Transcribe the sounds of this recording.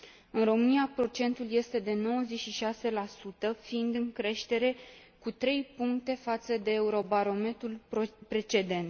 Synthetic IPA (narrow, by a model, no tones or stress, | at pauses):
ɨnro̞mɨniapɾo̞t͡ʃe̞nt̪ulje̞st̪e̞d̪e̞no̞wəze̞t͡ʃʲʃiʃase̞lasut̪əfiind̪ɨŋkɾe̞ʃt̪e̞ɾe̞ | kut̪ɾe̞jpuŋkt̪e̞fat̪səd̪e̞ːuɾo̞baɾo̞me̞t̪ɾulpɾe̞t͡ʃe̞d̪e̞nt̪